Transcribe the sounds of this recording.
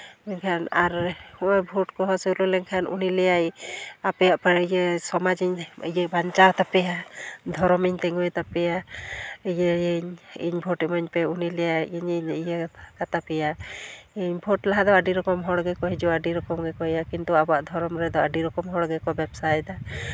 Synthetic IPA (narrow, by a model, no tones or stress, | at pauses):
ɔɲkʰanaɾhɔɔjbʱɔʈkɔɦɔselulɛŋkʰanṵnilɛjajapɛjaʔpaijesɔmad͡ʒiɲijɛbaɲt͡ʃawt̪apɛjad̪ʱɔɾɔmiɲt̪ɛŋɔjt̪apɛja | ijɛiɲḭɲbʱɔʈɛmɔɲpɛunilɛjaiɲiɲijɛkat̪apɛjaiɲbʱɔʈlaɦad̪ɔaɖiɾɔkɔmɦɔɽɡɛkɔɦɛd͡ʒɔaɖiɾɔkɔmɡɛkɔɛjakint̪uabɔaʔd̪ʱɔɾɔmɾɛd̪ɔaɖiɾɔkɔmɦɔɽɡɛkɔbɛbsajt̪a